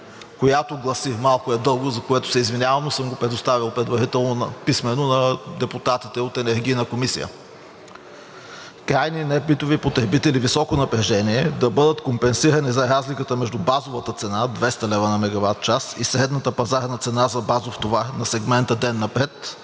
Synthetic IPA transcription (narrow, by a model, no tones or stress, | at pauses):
kojat̪oɡlˠɐsimalˠkʊɛd̪ɤlˠɡozɐkoɛt̪ʊ̥sɛizvinʲjavɐmosɤmɡopɾɛd̪ʊst̪avilˠpɾɛd̪vɐɾit̪ɛlˠnonɐ̰pismɛnonɐd̪ɛpʊt̪at̪it̪ɛot̪ɛnɛɾɡ̟ijnəkomisḭjə̰ | kɾajninɛpit̪ovipot̪ɾɛbit̪ɛlivisɔkonɐpɾɛʒɛniɛd̪ɐbɤd̪ət̪kompɛnsiɾɐnizɐɾazlikət̪əmɛʒd̪ubazovət̪ət̪sɛnad̪vɛst̪ɐlɛvɐnɐmɛɡɐvat̪̚t͡ʃasḭsɾɛd̪nɐt̪əpɐzaɾnɐt̪sɛnazɐbazoft̪ovaɾnɐsɛɡmɛnt̪əd̪ɛnːɐpɾɛt̪